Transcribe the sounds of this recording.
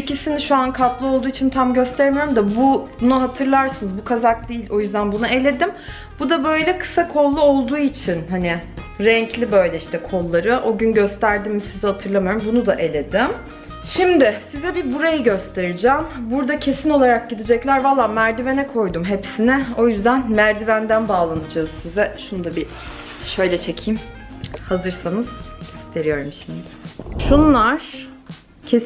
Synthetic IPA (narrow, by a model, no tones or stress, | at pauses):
icisiniʃuankʰat̪lˠɯolˠd̪uːit͡ʃʰint̪ʰamɟø̞st̪ʰeɾmijoɾumd̪abubunaɦat̪ʰɯɾlˠaɾsɯnɯzbukʰazak̚d̪iːilo̞jyzd̪ænbunuʔe̞lʲe̞d̪im | b̥ud̪abø̞jlʲɛkʰɯ̥sakʰo̞lˠːuo̞lˠd̪uːit͡ʃʰinɦanɪ | ɾɛɲclʲibø̞jlʲɛiʃt̪ɛkʰo̞lˠːaɾɯʔo̞ɟynɟø̞st̪ʰæɾd̪imːisizhat̪ʰɯɾlˠamajɾumbunud̪aʔe̞lʲe̞d̪ɪm | ʃimd̪ɪsizɛbibuɾajɯɟø̞st̪ʰe̞ɾid͡ʒaːmbuɾd̪acʰe̞sino̞lˠaɾak̚ɟid̪id͡ʒɛclʲæɾvalˠːaːmæɾd̪ive̞nɛkʰo̞jd̪umɦe̞psinɛo̞jyzd̪ænmæɾd̪ivænd̪ænbaːlˠanɯd͡ʒaːz̥sizɛʃunud̪abi | ʃø̞jlʲɛt͡ʃʰe̞cʰijm | hazɯɾsanɯz̥ist̪ʰe̞ɾijo̞ɾumʃimd̪ɪʃunlˠaɾ̥ | cʰes